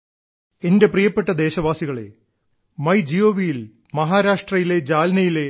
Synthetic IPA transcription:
e̞nde̞prijɐpːe̞ʈːɐd̪e̞ːɕɐʋaːsiɣɐɭe̞̰ | mɐjd͡ʑijoːʋijil | mɐɦaːɾaːʂʈrɐjile̞d͡ʑaːlɐnɐjile̞

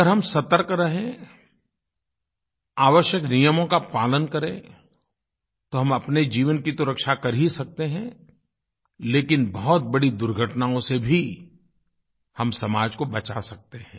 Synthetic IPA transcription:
əɾɦɐmsɐt̪əɾkɾɐɦẽ | aːʋəʃjəknijəmõkapaːlənkɐɾẽ | t̪oɦɐmɐpned͡ʒiːʋənkist̪oɾəkʃakɐɾɦisɐk̚t̪eɦɛ̃ | leːkɪnbɔɦɔt̪̚bɐɽid̪ʊɾɡʱəʈnaõsebʱi | hɐmsɐmaːd͡ʒkobɐt͡ʃasɐk̚t̪eɦɛ̃ː

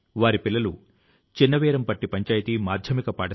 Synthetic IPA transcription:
ʋaːɾipilːɐlu | t͡ʃinːɐʋɛːɾɐmpɐʈːipɐɲt͡ʃaːjt̪imaːd̪ʱjɐmikɐpaːʈɐ

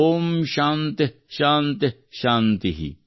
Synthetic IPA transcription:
omʃant̪eʃaːnt̪e | ʃant̪iɦḭ

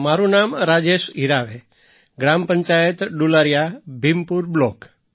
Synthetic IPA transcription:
maɾũnamɾad͡ʒeʃiɾaʋe | ɡɾampəɲt͡ʃajət̪ɖulaɾjabʱimpuɾblok

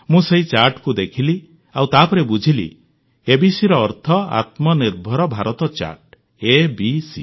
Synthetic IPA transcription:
mũseɦit͡ʃaɾʈkud̪ekʰili | awt̪apɔɾebud͡ʒʱilḭ | ebisiɾɔːɾt̪ʰɔa̰t̪mɔniɾbʱɔɾɔbʱaɾɔt̪ɔt͡ʃa̰ɾʈ | ebisḭ

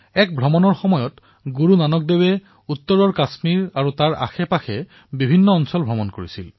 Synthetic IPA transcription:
ɛk̚bʱɹɔmɔnɔɹxɔmɔjɔt | ɡuɹunanɔk̚dewɛ | utːɔɹɔɹkasmiɹaɹutaɹa̰xɛpaxɛ | bibʱinːɔːnsɔlbʱɹɔmɔnkoɹisil

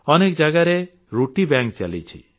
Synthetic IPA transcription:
ɔnekd͡ʒaɡaɾe | ɾuʈibãŋkt͡ʃa̰lḭt͡ʃʰḭ

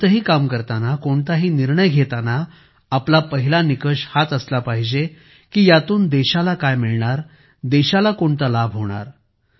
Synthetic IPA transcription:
əɦiːkamkəɾt̪anakoɳt̪aɦiːniɾɳəjɡʱet̪anaː | plapəɦilanikəɕhat̪əslapaɦid͡ʑe | kiːjat̪uːnd̪eɕalakajmiɭɳaɾ | d̪eɕalakoɳt̪alabʱɦoɽ̃a̰ɾ

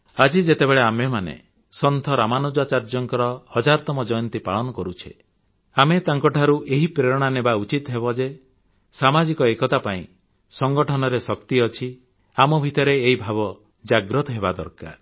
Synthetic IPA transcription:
ad͡ʒid͡ʒet̪ebeɭeamemanḛ | sɔnt̪ʰɔɾamanud͡ʒat͡ʃaɾd͡ʒɔŋkɔɾɔhɔd͡ʒaɾɔt̪ɔmɔd͡ʒɔjɔnt̪ipaɭɔnɔkɔɾut͡ʃʰḛ | amet̪aŋkɔʈʰaɾuʔeɦipɾeɾɔɽ̃anebaut͡ʃit̪ɔɦebɔd͡ʒe | samad͡ʒikɔekɔt̪apaḭ̃ | sɔŋɡɔʈʰɔnɔɾesɔkt̪iɔt͡ʃʰi | amɔbʱit̪ɔɾeːibʱaβɔ | d͡ʒaɡɾɔt̪ɔɦebad̪ɔ̰ɾka̰ɾ

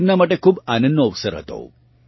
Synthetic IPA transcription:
ɾnamaʈekʰuːbanənːoəʋsəɾɦə̰t̪o̰

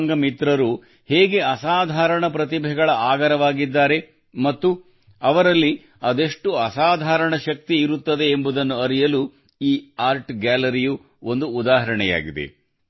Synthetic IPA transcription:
ŋɡɐmit̪ɾɐɾu | heːɡe̞ɐsaːd̪ʱaːɾɐɳɐpɾɐt̪̬ibʱɛɡɐɭɐaːɡɐɾɐʋaːɡid̪ːaːɾe̞ | mɐt̪ːu | ɐʋɐɾɐlːi | ɐd̪e̞ʂʈuɐsaːd̪ʱaːɾɐɳɐʃɐk̚t̪iːɾut̪ːɐd̪e̞ːmbud̪ɐnːuɐɾijɐlu | iːaːɾʈɡæːlɐɾiju | o̞nd̪uːd̪aːɦɐɾɐɳɛja̰ːɡid̪ḛ

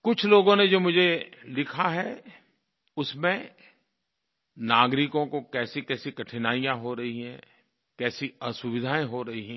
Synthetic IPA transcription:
kʊt͡ʃʰloːɡõned͡ʒoːmʊd͡ʒʱelɪkʰaɦɛ | ʊsmẽ | naːɡɾɪkõkokɛːsikɛːsikɐʈʰɪnaːijãɦoɾɐɦiɦɛ̃ː | kɛːsiɐsʊʋɪd̪ʱaːẽɦoɾɐɦiɦɛ̃ː

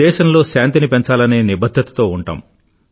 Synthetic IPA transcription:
ɛːʃɐnlo̞ːʃaːnt̪inipeɲt͡ʃaːlɐne̞ːnibɐd̪ʱːɐt̪ɐ̥t̪o̞ːuɳʈa̰ːm

